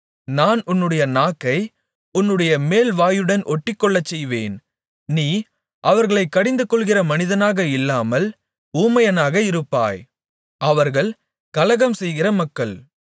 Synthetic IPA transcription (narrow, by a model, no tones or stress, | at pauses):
naːnʊnːɯɽɐjɐnaːkːɐɪ | ʊnːɯɽɐjɐmeːlʋaːjɯɽɐnʔɔʈːɪkːɔɭːɐt͡ʃːɛjʋeːn | niː | ʔɐʋɐɾɣɐɭɐɪkːɐɽɪnd̪ɯkːɔɭɣɪrɐmɐnɪðɐnaːɣɐɪlːaːmɐl | uːmɐjɐnaːɣɐɪɾɯpːa̰ːj | ʔɐʋɐɾɣɐɭ | kɐlɐɣɐmsɛjɣɪrɐmɐkːɐɭ